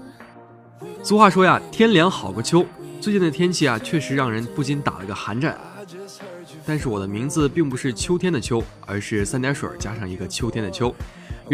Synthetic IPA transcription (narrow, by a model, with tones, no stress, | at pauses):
t͡su˧˥xwa˥˩ʂwɔ˥ja˨t̪ʰjɛ˥nljɑ˧˥ŋxɑ˨˩ʊɡə˦t͡ɕʰjo˥ʊt͡swɪt͡ɕi˥˩nd̪ə˩t̪ʰjɛ˥nt͡ɕʰi˥˩jɐ˩t͡ɕʰɥɛ˥˩ʂɻ̩˧˥ɻɑ˥˩ŋɻə˧˥npu˥˩t͡ɕi˧˥nt̪a̰˨˩lə˦˧˥ɡə˧xa˧˥nʈ͡ʂa̰˥˩n | t̪a˥˧nʂɻ̩˥˩wɔ˨˩d̪ə˦mi˧˥ŋd͡zɹ̩˧pi˥˩ŋpu˧˥ʂɻ̩˥˩t͡ɕʰjo˥ʊt̪ʰjɛ˥nd̪ə˨˩t͡ɕʰjo˥ʊ | ə̰˞˧˥ʂɻ̩˥˩sa˥˩nt̪ja˧˥ʂwə̰˨˩t͡ɕja˥ʂɑ˥˩ŋi˧˥ɡə˧t͡ɕʰjo˥ʊt̪ʰjɛ˥nd̪ə˨t͡ɕʰjo˥ʊ